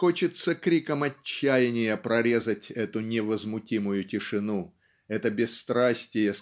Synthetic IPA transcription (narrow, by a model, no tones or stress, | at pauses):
xot͡ɕɪt̪səkɾʲikəmɐt͡ɕːæjɪnʲɪjəpɾɐɾʲe̞zətʲɛt̪ʊnʲɪvəzmʊtʲimʊjʊtʲɪʂɨnu | ɛt̪əbʲɪsːt̪ɾasʲtʲɪjə